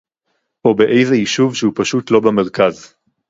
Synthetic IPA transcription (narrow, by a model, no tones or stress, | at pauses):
ʔo̞beʔe̞jzeiʃuvʃeupaʃutlo̞bame̞ʁkaz